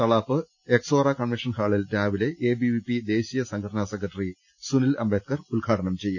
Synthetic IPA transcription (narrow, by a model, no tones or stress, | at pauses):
t̪ɐɭaːfɨ | eksoːrakɐɳmiʂɐnhaːɭilɾaːʋile̞ʔeːbibipid̪e̞ːɕijɐsɐŋɡʰɐɽɐnaːsekːɐʈːɐri | sunilɐ̰mbeːt̪̚kɐrulɡʰʱaːʈɐɳɐmt͡ɕe̞jːu